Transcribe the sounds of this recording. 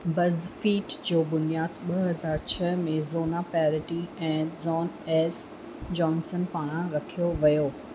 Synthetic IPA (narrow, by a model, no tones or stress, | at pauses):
bɐzfiːʈd͡ʑoːbʊnijaːd̪ɓɐɦɐzaːɾt͡ɕʰɐɦmẽzoːnapaɾɪʈiɛ̃ːzɔːnɛːs | d͡ʑɔːnsənpaːɽ̃ãɾɐkʰijoʋɐjoː